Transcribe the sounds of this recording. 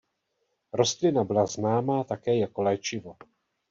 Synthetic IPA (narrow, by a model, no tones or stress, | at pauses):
ɾost̪lɪnabɪlaznaːmaːt̪akɛːjakolɛːt͡ʃɪvo̞